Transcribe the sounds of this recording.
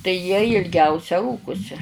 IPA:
tɐɪ jiɛ ɪlʲˈɡʲɛʊsʲɛ ˈruːkʊsʲɪ

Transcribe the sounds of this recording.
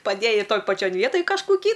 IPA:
pɐˈdʲeːjɛɪ ˈtoːj pɐˈt͡ʃʲoːn ˈʋʲiɛtoːj kɐʃkʊˈkʲiː

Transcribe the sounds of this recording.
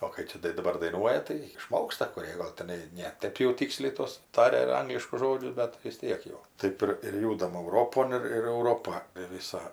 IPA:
oː kɐɪ ˈt͡ʃʲɛ tɐɪ dɐˈbɐr dɐɪˈnuɔjɛ tɐɪ ɪˈʃmoːkstɐ kʊˈrʲeː ɡɐlˠ tʲɛˈnɐɪ nʲɛ ˈtɜp jɛʊ ˈtʲiːksʲlʲɛɪ ˈtuɔs ˈtɑːrʲɛ ˈɐŋɡlʲɪʃkʊs ˈʒoːd͡ʒʲʊs ˈbʲɛt tɐɪ ʋʲɪs ˈtʲiɛk jɛʊ ˈtɜp ɪr ɪr ˈjuːdɐm ˈɐʊroːpoːn ɪr ɪr ɛʊˈroːpɐ ʋʲɪˈsɐ

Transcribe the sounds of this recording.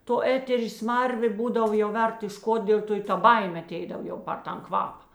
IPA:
toː ˈæːtʲɛrʲeː ˈsmɐrʲʋʲeː ˈbuːdɐw jɛʊ ˈʋʲɛrt ɪʃ ˈkoːt ˈdʲeːlʲ toː ɪ ˈtɐ ˈbɐɪmʲeː ɐˈtʲɛɪdɐw ˈjɛʊ pɐr ˈtɐn ˈkʋɑːpɐ

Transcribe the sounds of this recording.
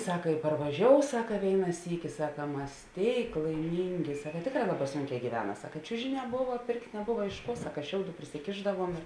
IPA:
ˈsɑːkɐ ɪ pɐrʋɐˈʒʲoːʊ ˈsɑːkɐ ˈʋʲeːɪnɐ ˈsʲiːkʲɪ ˈsɑːkɐ ˈmɐs ˈtʲeːɪk lˠɐɪˈmʲiːŋʲɡʲɪ ˈsɑːkɐ ˈtʲeːkˌrɑː ˈlˠɑːˌbɑː ˈsʊŋʲˌkʲɛː ɡʲiːˈʋʲæːnɐ ˈsɑːkɐ ɪ ˈt͡ʃʲʊʒʲɪˌnʲɛː ˈbʊʋɐ ˈpʲeːrktʲ nʲɛˈbʊʋɐ ɪʃ ˈkuɔ ˈsɑːkɐ ˈʃʲɛʊˌduː pʲrʲɪsʲɪˈkʲeːʒdɐʋuɔm ɪr

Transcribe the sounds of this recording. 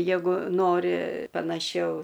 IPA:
ˈjæːɡʊ ˈnoːrʲɪ pɐnɐˈʃʲɛʊ

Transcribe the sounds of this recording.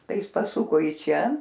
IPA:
ˈtɐɪ ˈjɪs pɐˈsʊkoː ɪ ˈt͡ʃʲɛ

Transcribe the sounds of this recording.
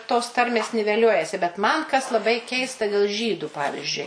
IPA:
toːs ˈtɐrʲmʲeːs nʲɪʋʲɛˈlʲuɔjɛsʲɪ bʲɛt mɐn kɐs lˠɐˈbɐɪ ˈkʲɛɪstɐ dʲɛlˠ ˈʒʲiːdʊ ˈpɑːʋʲɪzʲd͡ʒʲʊɪ

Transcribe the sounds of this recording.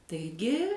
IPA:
tɐɪˈɡʲɪ

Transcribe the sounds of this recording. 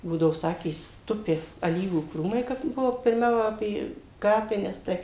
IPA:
ˈbuːdɐoː ˈsɑːkʲeː ˈtʊpʲɪ ɐˈlʲiːʋuː ˈkruːmɐɪ ˈkɐp ˈbʊʋoː pʲɪrʲˈmʲɛʊ ˈɑːpʲeː ˈkɑːpʲɪnʲɛs ˈtɐɪ

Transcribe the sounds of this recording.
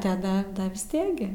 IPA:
tɐˈdɐ ˈdɐ ʋʲɪs ˈtʲiɛk ɡʲɪ

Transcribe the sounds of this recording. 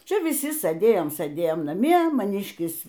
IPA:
ˈt͡ʃʲɛ ʋʲɪˈsʲɪ sɘˈdʲeːjoːm sɘˈdʲeːjoːm nɐˈmʲiɛ mɐˈnʲiːʃʲkʲɪs

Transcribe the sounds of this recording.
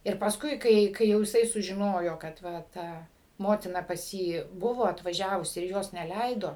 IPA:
ɪr pɐsˈkʊɪ ˈkɐɪ ˈkɐɪ jɛʊ jɪˈsɐɪ sʊʒʲɪˈnoːjoː kɐt ˈʋɐ ˈtɐ ˈmoːtʲɪnɐ pɐs ˈjiː ˈbʊʋoː ɐtʋɐˈʒʲæːʋʊs ɪr ˈjoːs nʲɛˈlʲɛɪdoː

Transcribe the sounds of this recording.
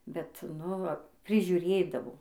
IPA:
bʲɛt ˈnʊ ʋɐ pʲrʲɪʒʲʊˈrʲeːdɐʋoː

